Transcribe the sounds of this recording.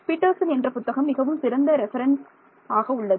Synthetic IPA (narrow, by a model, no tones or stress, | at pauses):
pɪʈːɐlsɐnɛndrɐpʊt̪ːɐɣɐmːɪɣɐʋɯmsɪɾɐnd̪ɐɾɛfɐɾɐns | aːɣɐʊɭːɐðɯ